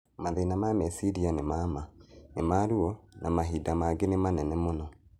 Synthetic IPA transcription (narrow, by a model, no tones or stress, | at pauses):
maðenamamɛsiɾianemamanemaɾuɔnʔamaɦiːdamaɡenemanɛnɛmonɔ